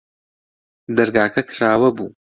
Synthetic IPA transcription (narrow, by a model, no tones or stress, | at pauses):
d̪ɐɾɡaːkʰɐkʰɨraːwɐbu